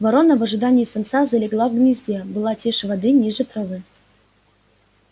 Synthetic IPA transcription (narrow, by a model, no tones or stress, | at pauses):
vɐɾo̞nəvɐʐɨd̪anʲɪːsɐnt̪sazɐlʲɪɡlˠavɡnʲɪzʲdʲebɨlˠatʲeʂvɐd̪ɨnʲiʐɨt̪ɾəvɨ